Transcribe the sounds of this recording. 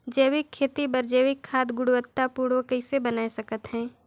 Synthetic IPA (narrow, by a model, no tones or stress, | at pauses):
d͡ʒəːwɪkʰːeːt̪ibɐɾd͡ʒəːwɪkʰːaːd̪ɡʊɽʊwət̪ːapuːɽokɐɪsebənaːisɐkət̪ɦɛ̃ː